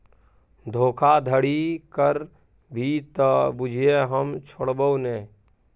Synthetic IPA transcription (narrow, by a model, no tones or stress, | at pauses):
d̪ʱoːkʰad̪ʱəɽikəɾ | bʱit̪bud͡ʒʱieɦəmt͡ʃʰoɽbəneː